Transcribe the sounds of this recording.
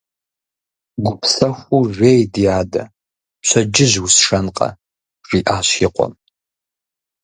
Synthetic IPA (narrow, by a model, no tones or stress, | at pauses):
ɡʷʊpʰsɐxʷuʒʷeːjdijaːdɐ̰ | ɕʷʰɐd͡ʒɪʑwʊsʂɐnqʼɐ̰ | r̥iːʔaːɕiqʷʼɔ̰m